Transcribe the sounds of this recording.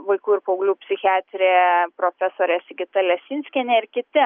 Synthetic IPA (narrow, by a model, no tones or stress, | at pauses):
ʋɐɪkuːɪɾpoʊɡlʲuːpʲsʲɪxʲɑːt̪ʲɾʲeːpɾoːfʲɛsoːɾʲɛsʲɪɡʲɪt̪ɐlʲɛsʲɪnʲsʲkʲɛnʲeɛːɪɾkʲɪt̪ʲɪ